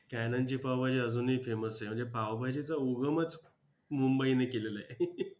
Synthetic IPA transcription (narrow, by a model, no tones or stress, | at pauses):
kænaɲt͡ɕiːpawbʱad͡ʑiəd͡zuːnɦiːfeməsem̤əɳd͡zepawbʱad͡ʑit͡sauɡəmət͡s | mumbəinekelelae